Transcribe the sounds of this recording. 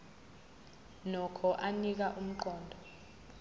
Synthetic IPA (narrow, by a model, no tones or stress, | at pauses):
nɔkʰɔʔanik̬aʔum̩ǃɔːndʱɔ